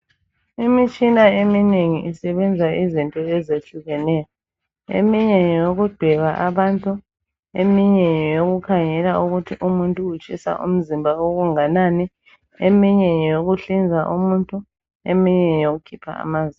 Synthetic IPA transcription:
imit͡ʃʼinaemineŋiʔisɛβɛnd͡zʱaʔizintʼɔɛzeɬuɣɛnɛjɔ | ḛmiɲɛjjjoɣud̥ʱɛɣaʔaβantʼu | emiɲɛɲɔjoɣukʰaŋɛlauɣutʰiʔumuntʼuut͡ʃʼisa̰ʔṵm̩zimbʱaoɣuŋanani | emiɲɛjjoɣuɬind͡zʱaʔumuntʼu | ḛmiɲɛjoɣukʰipʰa̰a̰maːzi

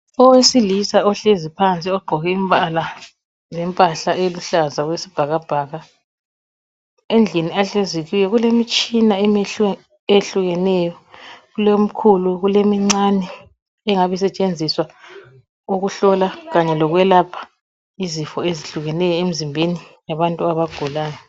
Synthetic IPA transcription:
ɔwesilisaɔɬezipʰant͡sʼiɔɡ͡ǃʱɔɣɛimpʼala | zɛmpʼaɬaʔeluɬazaɣwesi̥b̥ʱaɣab̥ʱaɣa | end͡ɮʱiniaɬeziɣiwɛɣulemit͡ʃʼinaɛmeɬɛ | eɬuɣɛnɛjɔɣulom̩kʰuluɣulemiŋ͡ǀanɛ | ɛŋaβɛsɛt͡ʃʼend͡zʱiswa | uɣuɬɔlaɣaɲɛlɔɣwɛlapʰḁ | izifɔeziɬuɣɛnɛjɔem̩zimbʱenijaβantʼuaβaɡ̥ʱulaːjɔ

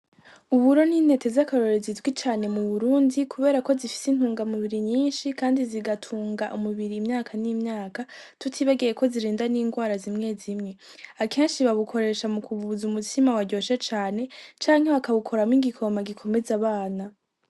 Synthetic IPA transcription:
uβuɾo̞niːn̥e̞te̞zakaɾo̞ɾezizɡwit͡ʃaːne̞muβuɾuːndikʰuβe̞ːɾako̞zifi̥sin̥huːŋɡamuβiɾiɲiːnʃikaːndiziɡatʰuːŋɡaʔumuβiɾiːmɲaːkʰaniːmɲaːka | tutʰiβaɡejeko̞ziɾiːndaniːŋɡwaːɾazimŋe̞zimŋe̞ | akʰe̞ːnʃiβaβukʰo̞ɾe̞ːʃamukʰuβuuzumutʰimawaɟo̞ːʃet͡ʃaːne̞t͡ʃaːŋhe̞βakaβukʰo̞ɾamiɡikʰo̞maɡikʰo̞me̞zaβaːna

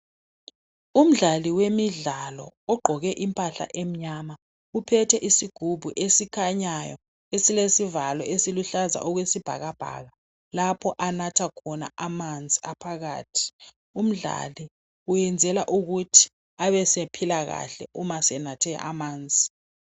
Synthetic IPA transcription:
um̩ɮaliwemiɮalɔ̰ɔɡ͡ǃʱɔɣɛʔimpʼaɬa̰ʔem̩ɲama | upʰɛtʰɛʔisiɡ̥ʱubʱuʔesikʰaɲajɔ | esilesivalɔʔesiluɬaza̰ʔɔɣwesib̥ʱa̰ɣab̥ʱa̰ɣa | lapʰɔʔanatʰakʰɔna̰amand͡zʱiapʰaɣa̰ːtʰi̥ | um̩ɮa̰li | ujɛnd͡zʱɛlaʔuɣutʰi̥ | aβɛsepʰilaɣa̰ɬɛ̰ʔumasɛnatʰɛa̰ʔamaːnd͡zʱi

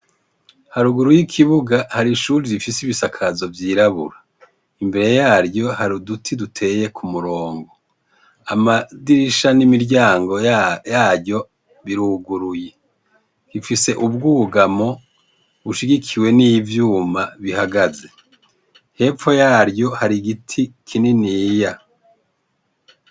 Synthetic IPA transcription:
haɾuɡuɾujikʰiβuɡahaɾiʃuːɾiɾifisiβisakʰazo̞vjiːɾaβṵɾa | imbe̞ɾe̞jaːɾjo̞haɾudutʰidutʰe̞je̞kʰumuɾo̞ːŋɡo̞ | amadiɾiʃanimiɾɟaːŋɡo̞jaːjo̞ | βiɾuɡuɾuje̞ | ifise̞ʔub̚ɡuːɡamo | βuʃiɡikʰiwe̞nijvjuːmaβihaɡaze̞ | he̞ːp͡fo̞jaːɾjo̞haɾiɡitʰikʰininiːja

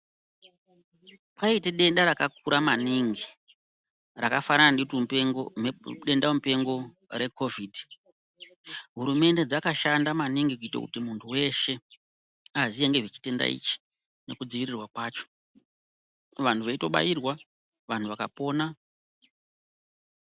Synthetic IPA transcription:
pʰaiteɗe̞ndaɾakak̚uɾamaniŋɡi | rakafaɾana | ɗe̞ndamupe̞ŋɡo̞ | re̞ko̞vidʱi | ɦuɾume̞nde̞d͡zakaʃandamaniŋɡikuita̰kṵtimuntʰuwe̞ʃe̞ | azijeŋɡe̞ʐet͡ʃi̥te̞nda̰ḭt͡ʃi̥ | ne̞kud͡ziʋirirwakwaːt͡ʃo̥ | ʋantʰuʋaito̞ɓa̰jirwa | ʋan̤uʋakapo̞ːna

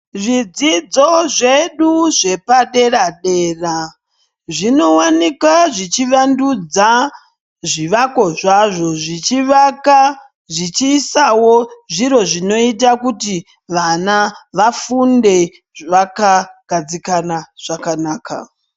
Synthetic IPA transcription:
ʐid͡zid͡zo̞ʐeɗuʐe̞paɗe̞ɾaɗe̞ːra | ʐino̞wanikaʐit͡ʃiʋandud͡za | ʐiʋako̞ʐaʐo̞ʐit͡ʃiʋaka | ʐit͡ʃiːsawo̞ʐiɾo̞ʐino̞it̬akuti | ʋanaʋafunde̞ | ʋakaɡ̥ʱad͡zikanaʐ̥akanaːka̰

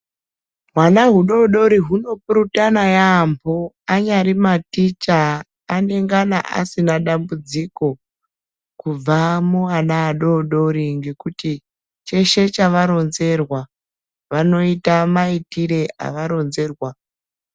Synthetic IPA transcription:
ɦwanaɦuɗo̞ɗo̞ɾiɦuno̞puɾutanajaːmpʰo | aɲaɾimatit͡ʃa | ane̞ŋɡana̰ʔa̰sinaɗambud͡ziko̞ | kub͡vamuanaːɗo̞ɗo̞ɾiŋɡe̞kuti | t͡ʃe̞ʃe̞t͡ʃaʋaɾo̞nze̞rwa | ʋano̞itamaitiɾe̞a̰ʋaɾo̞nze̞ːrwa

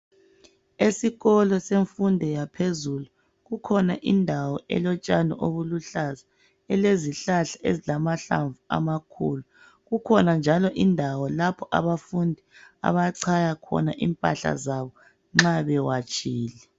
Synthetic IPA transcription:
esiɣɔlɔseɱfundʱɛjapʰezulu | ɣukʰɔnaʔindʱawɔʔɛ̰lɔt͡ʃʼanɔ̰ʔoβuluɬaza | ɛleziɬaɬaezilamaɬa̰ɱvua̰makʰulu | ɣukʰɔnand͡ʒʱalɔʔindʱawɔlapʰɔʔa̰βafundʱia̰βaǀʰajakʰɔ̰naʔḭmpʼa̰ɬa̰zaβɔ | ŋ͡ǁaβɛwat͡ʃʼiːlɛ

